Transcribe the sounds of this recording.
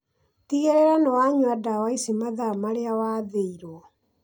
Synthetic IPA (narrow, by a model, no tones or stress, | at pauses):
tiɣeɾeɾanɔwaɲwadawaisimaðamaɾeawaːðeiɾwɔ